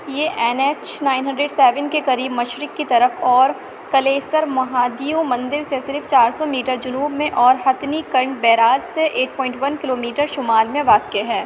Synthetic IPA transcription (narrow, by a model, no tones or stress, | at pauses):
jeːʔɛːneːt͡ʃnaːɪnɦɐ̃ɳɖɾeːɖsɛːʋənkekɐɾiːbmɐʃɾɪkːit̪ɐɾəfɔːɾ | kɐleːsəɾmɐɦaːd̪ijõmɐ̃nd̪ɪɾsesɪɾft͡ʃaːɾsɔmiːʈəɾd͡ʒʊnuːbmẽʔɔːɾɦɐt̪nikɐɾɳbɛːɾaːd͡ʒseʔeːʈ̚pɔːɪ̃ɳʈʋɐnkɪloːmiːʈəɾʃʊmaːlmẽʋaːkeɦɛː